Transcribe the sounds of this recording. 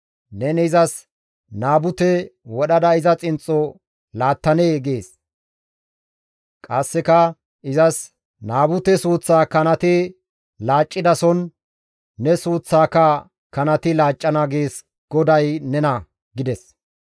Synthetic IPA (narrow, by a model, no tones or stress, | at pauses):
nɛnɛzɐs | naːbʊt̪ɛwɔɗɐd̪ɐɪzɐt͡sʼɪnt͡sʼːɔ | laːt̪ːɐneːɡe̞ːs | kʼɐsːɪkɐ | ʔɪzɐs | naːbʊt̪ɛsuːt͡sːaːkɐnɐt̪ɪ | laːt͡ʃʼːɪd̪ɐsɔnː | ɛsuːt͡sːaːkɐ | kɐnɐt̪ɪlaːt͡ʃʼːɐnaːɡeːs | ɡ̥ɔd̪ɐjnɛnɐ | ɡɪd̪ɛs